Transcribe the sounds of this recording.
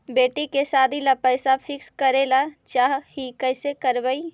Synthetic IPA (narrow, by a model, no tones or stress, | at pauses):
beːʈikesaːd̪ʱilapəɪsapʰɪkskəɾelat͡ʃaːɦɦikəɪsekəɾbəi